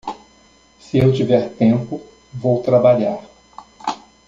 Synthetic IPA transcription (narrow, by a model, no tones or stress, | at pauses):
sɪewt͡ʃivɛɾt̪ẽmpʊ | vowt̪ɾabaʎaɾ